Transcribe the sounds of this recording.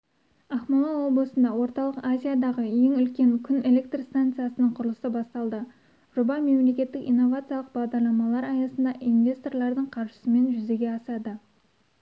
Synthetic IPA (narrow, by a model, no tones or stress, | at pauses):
ɑχmonoo̞blˠəsənd̪ɑwo̞ɾt̪ɑlˠəqazʲijad̪ɑʁəje̞ŋʏlkʲe̞ŋkʲʰʏne̞le̞k̚t̪rst̪ant̪sɨjasənəɴqʰʊɾəlˠəsəbɑst̪ɑlˠd̪ə | ʒ̥ʊbɑme̞mle̞kʲe̞t̪ːɪkḭjnːo̞vat̪sɨjɑlˠəq̚bɑʁd̪ɑɾlˠɑmɑlˠɑɾɑjɑsənd̪ɑʔinvʲest̪o̞rlˠɑɾd̪əɴqʰɑɾʃə̥səme̞nʒʏze̞ɡʲe̞ɑsɑd̪ə